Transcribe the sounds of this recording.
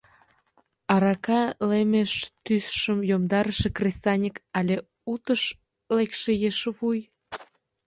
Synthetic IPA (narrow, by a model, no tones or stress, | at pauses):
ɑɾɑkɑlemeʃt̪ysʃəmjomd̪ɑɾəʃekrʲest̪ɑnʲikɑlʲe | ut̪əʃ | lekʃejeʃβuj